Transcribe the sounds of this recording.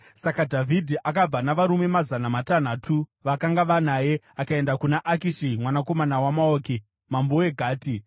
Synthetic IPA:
sakadʱavʱidʱiʔakab͡vanaʋaɾume̞mazanamatan̤aːtʰuʋakaŋɡaʋanaje̞ | akae̞ndakunaʔakiʃimwanako̞manawamaoːki | mamboe̞ɡʱaːti

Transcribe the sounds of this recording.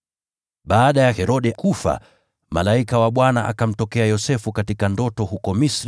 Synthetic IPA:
ɓaːɗajahɛɾɔɗɛkufa̰ | malaikawaɓwanaʔa̰kam̩tɔkɛajɔsɛfukatikandɔtɔhukɔmisɾ

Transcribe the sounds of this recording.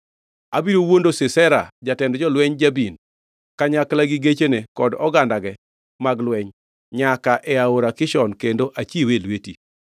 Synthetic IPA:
abiɾowondosɪsɛɾa̰d͡ʒatɛndd͡ʒɔlwɛɲd͡ʒabin | kaɲaklaɡiɡet͡ʃenekɔdɔɡandaɡɛ | maɡlwɛɲ | ɲakaʔɛaoɾakɪʃɔnkendoʔat͡ʃiwelweti

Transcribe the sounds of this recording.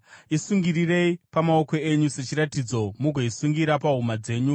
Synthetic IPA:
isuŋɡiɾire̞ipamaoko̞e̞ɲuse̞t͡ʃiɾatid͡zo̞muɡʱoisuŋɡiɾapaɦumad͡ze̞ːɲu

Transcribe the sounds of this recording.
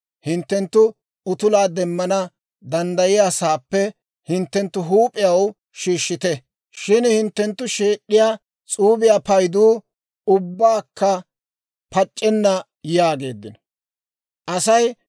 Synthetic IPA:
hɪnt̪ːɛnt̪ːʊ | ʊt̪ʊlaːd̪ɛmːɐnɐ | d̪ɐnd̪ɐjɪjasaːpːɛ | hɪnt̪ːɛnt̪ːʊɦuːpʼːɪjɐw | ʃiːʃːɪt̪ɛ | ʃɪnhɪnt̪ːɛnt̪ːʊʃe̞ːɗːɪjaː | t͡sʼuːbɪjaːpɐjd̪uː | ʊbːaːkːɐ | pɐt͡ʃʼːɛnːɐ | jaːɡe̞ːd̪ːɪn | ʔɐsɐj

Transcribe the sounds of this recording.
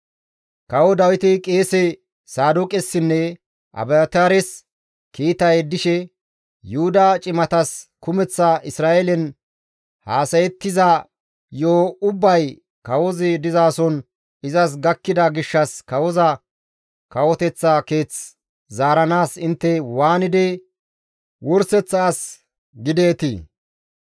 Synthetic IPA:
kɐwɔd̪ɐwɪt̪ɪkʼe̞ːsɛ | saːd̪ʊkʼɛsːɪnːɛ | ʔɐ̰bɛɐt̪aɾɛs | kiːt̪ɐjd̪ɪʃɛ | jʊhʊd̪ɐt͡ʃʼɪmɐt̪ɐskʊmɛt͡sːɐʔɪsɾaːɛlɛn | haːsɐjɛt̪ːɪzɐ | joːʊbːɐj | kɐwɔzɪd̪ɪzaːsɔn | ɪzɐs̬ɡɐkːɪd̪ɐɡɪʃːɐskɐwɔzɐ | kɐwɔt̪ɛt͡sːɐke̞ːt͡s | zaːɾɐnaːsɪnt̪ːɛwaːnɪd̪ɛ | wʔɔɾsɛt͡sːaːs | ɡɪd̪eːt̪ḭː

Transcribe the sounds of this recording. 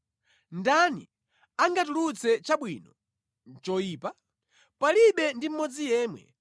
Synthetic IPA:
ndanḭ | aŋɡatulut͡sɛt͡ʃaɓwiːnɔ | nt͡ʃɔjiːpa | paliɓɛndim̩mɔd͡zijɛːmwɛ̰

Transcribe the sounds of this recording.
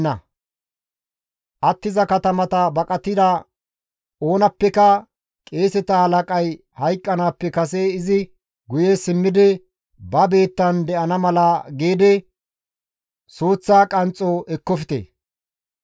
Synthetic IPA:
ɐ̰ | ʔɐt̪ːɪzɐkɐt̪ɐmɐt̪ɐbɐkʼɐt̪ːɪd̪ɐ | o̞ːnɐpːɛkɐ | kʼe̞ːsɛt̪ɐhɐlɐkʼɐj | hɐjkʼːɐnaːpːɛkɐs̬eɪzɪ | ɡʊjesɪmːɪd̪ɪ | bɐbe̞ːt̪ːɐnd̪ɛʔɐnɐmɐlɐɡeːd̪ɪ | soːt͡sːaːkʼɐnt͡sʼːoʔɛkːɔfɪ̥t̪ḛ

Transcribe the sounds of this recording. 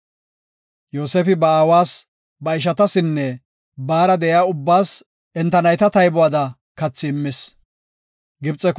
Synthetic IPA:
joːsɛfɪbɐaːwaːs | bɐɪʃ̬ɐt̪ɐsɪnːɛ | baːɾɐd̪ɛʔjaːʊbːaːs | ɛnt̪ɐnɐjt̪ɐt̪ɐjbʊaːd̪ɐ | kɐt͡sːɪːmːɪs | ɡɪbt͡sʼːɛk

